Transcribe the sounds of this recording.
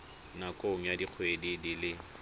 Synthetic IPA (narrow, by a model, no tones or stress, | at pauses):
nakʼoŋ̩jadiq͡χʰwedidilɪ